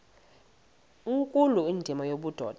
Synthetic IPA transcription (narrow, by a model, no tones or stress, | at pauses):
ŋkʼuluindʱimajoɓud̥ʱɔ̰ːd̥ʱa